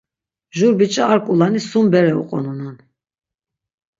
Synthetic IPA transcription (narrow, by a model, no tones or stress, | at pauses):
ʒuɾbit͡ʃʼaːɾkʼulanisumbɛɾɛṵqʼɔ̰nunan